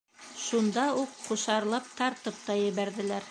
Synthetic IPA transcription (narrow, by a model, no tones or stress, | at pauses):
ʃund̪ɑuqːuʃɑɾlˠɑp̚t̪ɑɾt̪ɤp̚t̪ɑjɘ̆βæɾðɘ̆læɾ